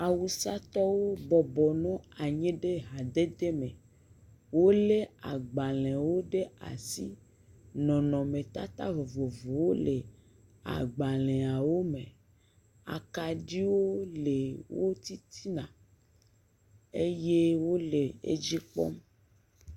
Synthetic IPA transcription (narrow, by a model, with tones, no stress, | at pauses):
a˨wu˨sa˦t̪ɔ˦wo˦bɔ˨bɔ˨nɔ̃˦a˨ɲɛ̃˦ɖe˦ɦa˨d̪e˦d̪e˦mẽ˨ | wo˦le˦a˨ɡ͡ba˨lɛ̃˨wo˦ɖe˦a̰˨si˦ | nɔ̃˨nɔ̃˨mẽ˨t̪a̰˦t̪a̰˦vo˨vo˨vo˨wo˦le˨ | a̰˨ɡ͡ba˨lɛ̃˨a˨wo˦mẽ˨ | a̰˨ka˨ɖi˦wo˦le˨wo˦t̪i˦t̪ʰi˦nã˨ | e˦je˦wo˦le˨ḛ˦d͡ʒi˦k͡pɔ̰˦m